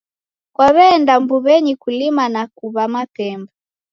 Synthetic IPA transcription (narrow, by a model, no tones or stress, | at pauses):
kwaβɛndambuβɛɲikulimanakuβamapɛmba